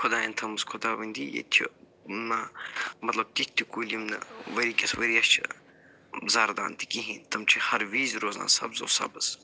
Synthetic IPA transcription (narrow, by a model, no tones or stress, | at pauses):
kʰʊd̪aːjɐnt̪ʰɐmɐskʰʊd̪aːʋɐnʲd̪ʲijḛt̪ʲʰḭ | namɐt̪lɐb̚t̪ʲitt̪ːikulʲimnɐ̰ʋɐɾiːkʲɐsʋɐɾiɐst͡ʃʰḭ | zaːɾd̪a̰ːnt̪i̥kiɦint̪ʰɐmt͡ʃʰihɐɾʋiːzɾoːzna̰ːsɐ̰bzɐ̰sɐ̰bɐz